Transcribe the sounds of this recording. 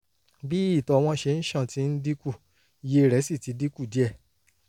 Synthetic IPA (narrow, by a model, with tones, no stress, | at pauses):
bi˦i˦˨tɔ˧w̃ɔ̃˧ʃe˧n̩˦ʃã˦˨ti˦n̩˦di˦ku˦˨ | je˧˨ɾɛ˨˦si˦˨ti˨˦di˦ku˦˨di˨˦ɛ˦˨